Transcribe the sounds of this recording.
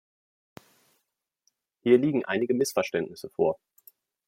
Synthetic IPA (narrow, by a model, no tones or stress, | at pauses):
hiːɐliːɡŋ̩ʔa̰ɪnɪɡəmɪsfɛɐʃtɛntnɪsəfoːɐ